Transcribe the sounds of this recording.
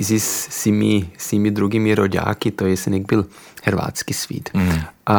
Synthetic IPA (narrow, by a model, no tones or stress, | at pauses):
izissimisimid̪ɾuɡimiɾoɟa̰ːkit̪ojɛsɛnɛɡ̚bɪl | hɛɾva̰ːt͡skisfḭːt̪ʔa